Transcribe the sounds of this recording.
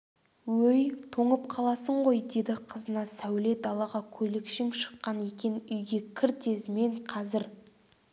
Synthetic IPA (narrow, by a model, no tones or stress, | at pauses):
wɵjt̪ʰoɴəp̚qʰɑlˠɑsəɴʁo̞jd̪e̞d̪ɪqʰəzənɑsæwle̞t̪̚d̪ɑlˠɑʁɑkʲʰɵlɪkʃɪŋʃə̥qːɑne̞kʲenɪʏjɡʲe̞kʲʰɪɾt̪ʰe̞zɪme̞ɴqʰɑzɪɾ